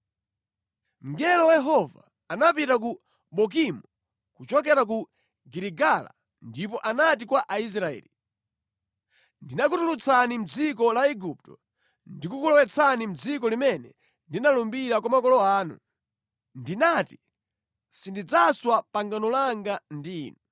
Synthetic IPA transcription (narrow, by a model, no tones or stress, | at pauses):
ŋ̩ɡɛlɔwjɛɦɔva | anapitak̬u | ɓɔk̬imu | kut͡ʃɔk̬ɛɾak̬u | ɡiɾiɡala̰ | ndipɔʔanatikwaʔais̬ɾaɛ̰ːli | ndinak̬utulut͡sʰanim̩d͡zikɔlaɛɡup̚tɔ | ndikukulɔwɛt͡sʰanim̩d͡zikɔlimɛnɛ | ndinalumbiɾakwamakɔlɔaːnṵ | ndinati | sindid͡zaswapaŋɡanɔlaŋɡandiːnɔ